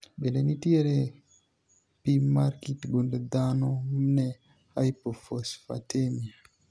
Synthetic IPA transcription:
ɓelenitieɾe | pimaɾkitɡunded̪anomne | hajpofosfa̰temia

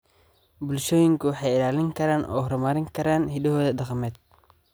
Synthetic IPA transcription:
bʊlʃɔːjɪŋkʰʊwħɑjɪlaːlɪŋkʰɐɾaːnʔɔ̰ːhɾmaɾɪŋkʰɐɾaːnɦidɐɦɔːðɐdɑqmɛːd̪̚

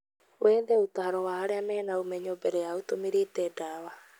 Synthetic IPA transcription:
wend̪eut̪ahaɾoβaɦaɾeamehenaumeɲobeɾeaut̪omiɾit̪edaβa

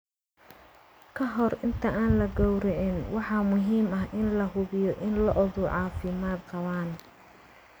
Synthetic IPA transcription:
kʰɐɦɔrɪnt̪ʰɐʔaːnlɐɡɔwɾɛʕɪnwɑħɑːmʊɦiːmɐɦʔɪnlɐɦʊβɪjɔʔɪnlɐʔɔðʊʕɑːfɪmaːd̪̚qɑβaːn

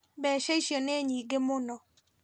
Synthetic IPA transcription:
bɛʃeiʃjoneɲiɡɪmʊnɔ

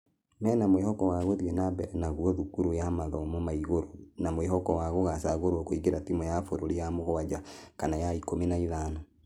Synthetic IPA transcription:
mɛːnamwehɔkɔwaɣoðiɛnabɛɾɛnaɣuɔðukuɾojamaðɔmomaiɣoɾonamwehɔkɔwaɣoɣasaɣoɾwɔkoiɣeɾatimɔjafoɾoɾijamoɣɔad͡ʒakanajaikominaiðana

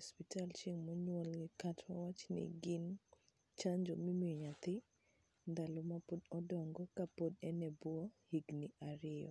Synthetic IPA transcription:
ɔspɪtalt͡ʃeŋmoɲwɔlɡɪkatmawat͡ʃnɪ̰ɡɪn | t͡ʃaɲd͡ʒomimiɔɲat̪ɪ | nd̪alomapodɔdɔŋɡɔkapodɛnɛbwɔhiɡniaɾɪɔ̰

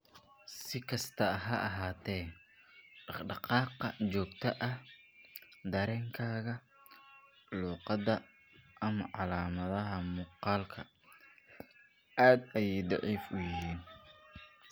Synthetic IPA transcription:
sɪkʰɐst̪ʰɐɦɐʔɐɦaːt̪ʰɛːn | ɑɖɑqɑːqɐt͡ʃɔːɡt̪ʰɐʔɐh | d̪ɐɾɛːŋkʰaːɣɐ | luːqɑd̪ɐ | ʔɐmɐʕɑlaːmɐðɐɦɐmuːqɑːlkʰɐ̰ | aːd̪ɐjɛjd̪ɑʕiːfʊjɪɦiːn

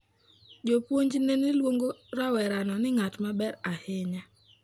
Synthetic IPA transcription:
d͡ʒopwoɲd͡ʒnenɪlwoŋɡoɾawɛɾanɔnɪŋatmabɛɾahɪɲa

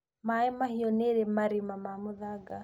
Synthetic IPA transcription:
maɛmahiɔneɾemaɾimamamuðaɡa

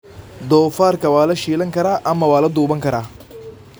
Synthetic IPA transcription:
d̪ɔːfaːɾkɐwaːlɐʃiːlɐŋkɐɾaːʔɐmːɐwaːlɐd̪uːbɐŋkɐɾaː

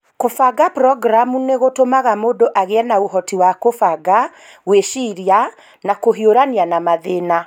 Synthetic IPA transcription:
kofaɡapɾɔɡɾamuneɣotomaɣamoːdoʔaɣeɛnaoɦɔtiwakofaɡa | ɣweʃiɾia | nakoɦioɾanianamaðena

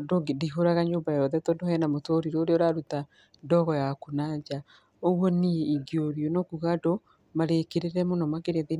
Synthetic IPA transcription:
dodiɦoɾaɣaɲombajɔðɛtɔdohɛnamotoːɾiɾɔoɾeɔɾaɾuta | dɔɣɔjakunad͡ʒa | oɣwɔnieiɡeoɾjonɔkuɣado | maɾekeɾeɾɛmonɔmaɣeɾeðe

